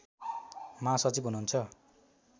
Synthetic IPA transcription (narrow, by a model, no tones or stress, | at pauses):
mãsʌt͡sipɦununt͡sʰʌ